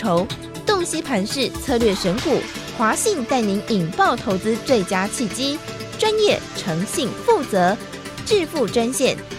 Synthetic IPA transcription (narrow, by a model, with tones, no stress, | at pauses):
o˧˥ʊ | t̪o˥˩ŋɕi˥pʰa˧˥nʂɻ̩˥˩t͡sʰɤ˥˧lɥɛ˥˩ʂə˧˥nku˨˩xwa˧˥ɕi˥˧ŋt̪a˥˩ɪni˧˥ŋi˨˩ŋpɑ˥˩ʊt̪ʰo˧˥ʊt͡sɹ̩˥t͡swe˥˩ɪt͡ɕja˥t͡ɕʰi˥˩t͡ɕi˥ʈ͡ʂwa˥njɛ˥˩ʈ͡ʂʰɤ˧˥ŋɕi˥˨ŋfu˥˩t͡sɤ˧˥ | ʈ͡ʂɻ̩˥˧fu˥˩ʈ͡ʂwa˥nɕjɛ˥˩˨n